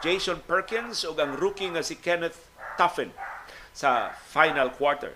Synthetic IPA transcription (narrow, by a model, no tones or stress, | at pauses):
d͡ʒejsɔnpɛɹkɪ̃nsʊɡɐŋɾukɪŋːɐsɪkɛnɛθ | t̪ːafɛnsɐfajnalkwaɹt̪ɛ̰ɹ